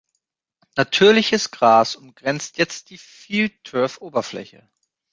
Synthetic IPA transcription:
natʰyːɐlɪçəsɡ̥ʁaːsʊmɡ̥ʁɛnt͡stjɛt͡st̚d̥iːfitʰœɐfʔoːbɐflɛ̰çə̰

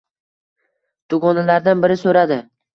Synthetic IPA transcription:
t̪ʰʊɡɒnalaɾd̪anbɪɾɪsɵɾad̪ɪ

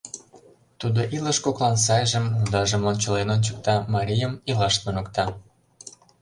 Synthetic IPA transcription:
t̪ud̪oʔiləʃkoklɑns̬ɑjʒəmund̪ɑʒəmonʲt͡ɕə̆lenonʲt͡ɕə̆k̚t̪ɑmɑɾʲijəmilɑʃt̪unə̆kt̪ɑ

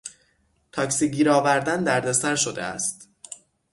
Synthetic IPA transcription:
t̪ʰɒːksiɟiːɾɒːvæɾd̪ænd̪æɾd̪esæɾʃod̪ḛæ̰st̪

